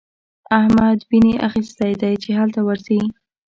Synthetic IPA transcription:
ahmad̪bineʔaxist̪ajd̪ajt͡ʃeɦalt̪awəɾzawi

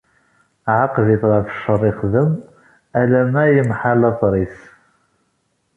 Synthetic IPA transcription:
ʕaqðiθʁəɾθə̥ʃːərˤːɪχðəm | ælæmæjəmħalɑθˤɾˤis

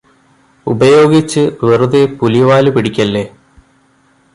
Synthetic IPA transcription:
ubɐjo̞ːɡit͡ɕːɨʋeruðepuliʋaːlupiɽikʲːɐlːe

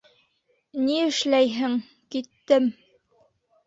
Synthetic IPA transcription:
niɘ̆ʃlæjɦɘŋ | kit̪ːɘm

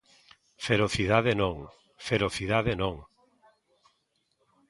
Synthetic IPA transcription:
feɾoθiðaðenõŋ | feɾoθiðaðenõŋ

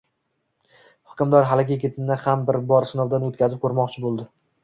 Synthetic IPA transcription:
hʊ̥kʲɪmd̪ɒɾɦalɪɡʲɪeɡʲet̪ʰɪnɪhambɪɾbɒɾsɪnɒvd̪anot̪kʲʰazɪp̚kʰɵɾmɒqt͡ʃʰɪbolˠd̪ɪ

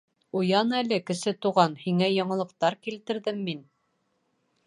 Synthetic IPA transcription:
ujɑnælɘkɘ̆sɘt̪uʁɑnhiŋæjɑɴɤ̆lˠɤ̆q̚t̪ɑɾkilt̪ɘ̆ɾðɘmːin

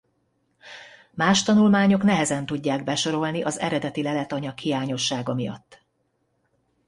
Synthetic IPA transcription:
maːʃt̪ɒnulmaːɲo̞knɛɦɛzɛnt̪uɟːaːɡbɛʃo̞ɾo̞lniʔɒzɛ̰ɾɛd̪ɛt̪ilɛlɛt̪ɒɲɒkhijaːɲo̞ʃːaːɡɒmijɒ̰t̪ː

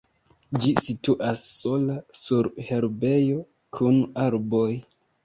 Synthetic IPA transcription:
d͡ʒisituʔasːo̞lasuɾhe̞ɾbe̞jo̞ | kʰunaɾbo̞j

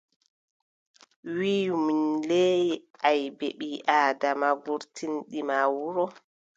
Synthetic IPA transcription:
wiːminlejʔajbeɓiʔaːdamaɡuɾtʰinɗimawuɾɔ

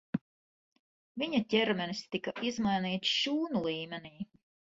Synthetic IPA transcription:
viɲac̪ʲɛɾmʲɛnist̪ikaʔizmajniːt̪sʃuːnulˠiːmʲeniː

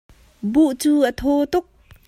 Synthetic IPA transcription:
buʔt͡suːʔət̪ʰot̪ʊk̚

